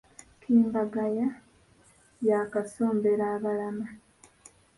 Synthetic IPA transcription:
kʰiːmbaɡaja | jakaso̞ːmbeɾaːβalama

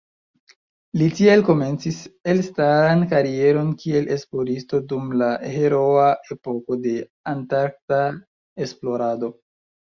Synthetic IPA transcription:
litielko̞me̞nt͡sise̞lstaɾankaɾie̞ɾo̞nkie̞lʔe̞splo̞ɾisto̞dumlahe̞ɾo̞ae̞po̞ko̞de̞ | antaɾk̚ta | e̞splo̞ɾado̞

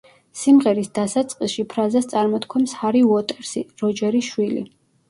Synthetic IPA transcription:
simʁɛɾisd̪asat̪sʼqʼisʃipʰɾazast̪sʼaɾmɔt̪kʰwɔmshaɾiuɔt̪ʼɛɾsiɾɔd͡ʒɛɾiʃwilḭ

